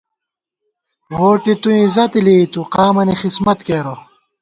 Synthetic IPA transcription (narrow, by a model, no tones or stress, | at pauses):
woːʈit̪uĩzɐt̪ilit̪uqaːmɐnixismɐt̪keːɾo